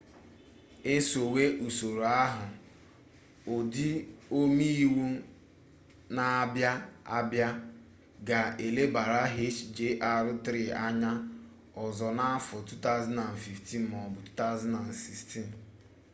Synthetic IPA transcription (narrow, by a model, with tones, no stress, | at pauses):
e˦so˨we˦ʔu˨so˨ɾo˨a˦ɦʊ˨ | o˨di˦o˦mi˦i˦wu˦ | na˨a˦bja˦a˦bja˦ | ɡa˨e˨le˦ba˨ɾa˦ɦe˦t͡ʃd͡ʒe˦ʔa˦ɾʊ˦tɾi˦a˦ɲa˦ | ɔ˨zɔ˨na˦fɔ˨tu˦ta˦za˦na˨n̩˨fi˨fti˦n̩˦mɔ˨bʊ˨tu̥˦ta˦ʊ˦za˦na˨n̩˨si˨sti˦˨n˨